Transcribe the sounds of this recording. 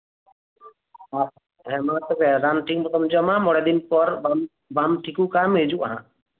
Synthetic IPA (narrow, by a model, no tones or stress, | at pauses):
as | ɦɛmat̪ɔkɛɾanʈiŋmɔt̪ɔmd͡ʒɔmãmɔɽɛd̪inpɔɾbam | bamʈʰikukamɦed͡ʒuʔa̰ɦã̰